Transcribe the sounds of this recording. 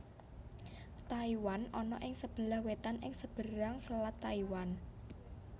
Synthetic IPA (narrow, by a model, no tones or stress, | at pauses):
t̪aiwanɔnɔʔɪŋsəb̥ə̤lahwet̪anɪŋsəb̥əɾaŋsəlat̪ːaiwan